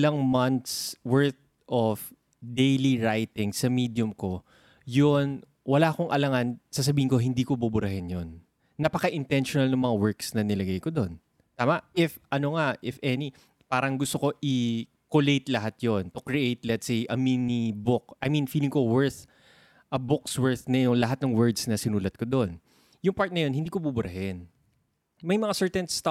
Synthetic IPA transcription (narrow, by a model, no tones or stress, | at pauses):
lɐŋmɐnt̪swɛɹθ | ʔof | d̪ejliɹajt̪ɪŋsɐmid̪jʊmko | jon | wɐlaːʔkoŋʔɐlɐŋansas̬ɐbiːhɪŋko̞ɦɪnd̪iːkobubʊɾɐhɪnjonː | ɐpɐkɐʔɪnt̪ɛnʃonɐlnɐŋmɐŋawɛɹksnɐnɪlɐɡajkod̪o̞n | t̪aːmɐʔʔɪfʔɐnoŋaʔɪfʔɛni | paːɾɐŋɡʊst̪o̞ko̞ʔɪ | kolejt̪lɐɦat̪̚jont̪okɹiʔejt̪̚lɛt̪sejʔɐminibʊk̚ʔɐjmĩnfiːlɪŋkowɛɹθ | ʔɐbʊkswɛɹθnɐjʊŋlɐɦat̪̚nɐŋwɛɹd̪snɐsɪnuːlɐt̪̚kod̪o̞n | jʊŋpaɹt̪̚nɐjo̞nhɪnd̪iːkobubʊɾɐɦɪn | mɐjmɐŋasɛɹt̪ɛnst̪a